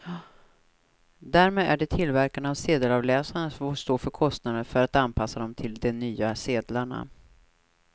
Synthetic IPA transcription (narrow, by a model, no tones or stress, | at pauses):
d̪æɾmeːd̪æɖɛt̪ʰɪlvæɾkanavseːd̪əlɑvlɛːsaɳəsvoːʂst̪oːfœɾkʰɔst̪nad̪əfœɾat̪anpʰasːad̪ɔmt̪ʰɪld̪ɛnːyːaseːd̪laɳa̰